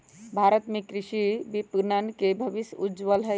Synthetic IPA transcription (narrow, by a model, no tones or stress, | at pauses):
bʱaːɾət̪mẽkɾiʃibipnənkebʱəʋisud͡ʒʋəlɦə